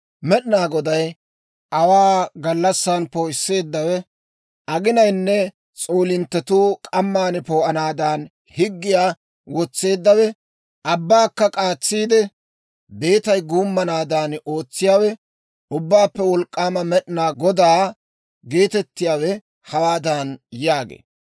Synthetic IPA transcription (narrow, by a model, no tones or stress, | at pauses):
mɛɗɪnaːɡɔd̪ɐj | ʔɐwaːɡɐlːɐsːanpoːɪsːe̞ːd̪ːɐwɛ | ɐɡɪnɐjnːɛ | t͡sʼo̞ːlɪnt̪ːɛt̪uːkʼɐmːaːnpoːʔɐnaːd̪aːn | hɪɡːɪjaː | wɔt͡sːe̞ːd̪ːɐwɛ | ʔɐbːaːkːɐkʼaːt͡sːiːd̪ɛ | be̞ːt̪ɐjɡuːmːɐnaːd̪aːno̞ːt͡sːɪjaːwɛ | ʔʊbːaːpːɛwɔlkʼːaːmɐmɛɗɪnaːɡɔd̪aː | ɡe̞ːt̪ɛt̪ːɪjaːwɛ | hɐwaːd̪anjaːɡḛː